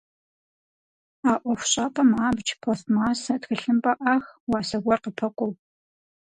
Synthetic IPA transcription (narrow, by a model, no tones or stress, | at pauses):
aːʔʷɔxʷɕʼapʼɐmaːbd͡ʒpʰɐɬmaːsɐtxɨɬɨmpʼɐʔaxwɑːsɐɡʷɔrqəpʰɐkʷʼʊw